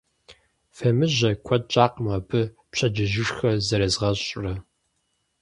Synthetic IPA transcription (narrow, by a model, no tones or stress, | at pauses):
fɐmɨʑɐkʷʰɔt̚t͡ʃʼaːqmɐbɨ | pɕʰɐd͡ʒɪʒɪʂxɐzɐɾɐzʁɐɕʼrɐ